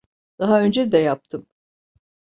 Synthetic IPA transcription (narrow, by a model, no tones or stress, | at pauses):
d̪̥aɦaø̞nd͡ʒɛd̪ɛjap̚t̪ʰɯm